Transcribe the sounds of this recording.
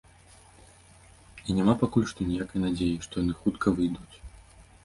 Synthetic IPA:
inʲamapakulʲʂt̪ɔnʲɛjakɐjnad͡zʲejiʂt̪ɔjanɨxut̪kʰɐvɨjd̪ut͡sʲ

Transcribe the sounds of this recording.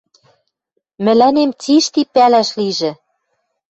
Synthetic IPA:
mɘ̆lænemt͡siʃt̪ipælæʃliʒɘ̆

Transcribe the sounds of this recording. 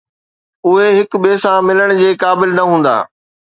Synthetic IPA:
ʊɦeɦɪkbeːsãmɪləɽ̃d͡ʑeːkaːbɪlnɐɦũːn̆d̪a̰ː

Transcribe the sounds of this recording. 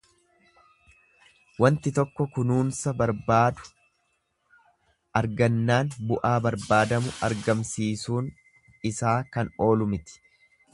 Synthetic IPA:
wɐnt̪ɪt̪ɔkːɔkʊnuːnsɐbɐɾbaːd̪ʊ̥ | ɐɾɡɐnːaːnbʊʔaːbɐɾbaːd̪ɐmʊʔɐɾɡɐmsiːsuːn | ɪsaːkɐno̞ːlʊmɪt̪ɪ̥

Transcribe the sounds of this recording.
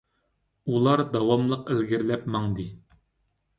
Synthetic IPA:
ulˠɑɾd̪ɑwɑmlˠəqelɡʲiɾlɛpmɑŋd̪ɨ

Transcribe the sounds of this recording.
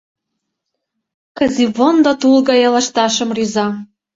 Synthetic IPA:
kɑzivond̪ot̪ulɣɑjɑlɑʃt̪ɑʃə̆mryzɑ

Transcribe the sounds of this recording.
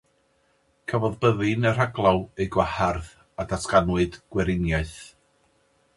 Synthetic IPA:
kʰavɔðbəðɨnər̥aɡlˠawejɡwaharð | adaskanwɨdɡ̥wɛɾɪnjaɨθ

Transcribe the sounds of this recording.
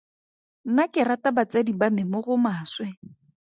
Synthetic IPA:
n̩nakɪratabat͡sadibamɪmʊɣʊmaːswɛ

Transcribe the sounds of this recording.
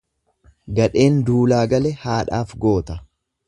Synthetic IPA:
ɡɐᶑe̞ːnd̪uːlaːɡɐlɛhaːᶑaːfɡo̞ːt̪ɐ

